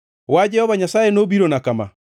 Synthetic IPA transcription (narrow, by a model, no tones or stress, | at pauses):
wad͡ʒɛhɔβaɲasaenoβiɾɔnakama̰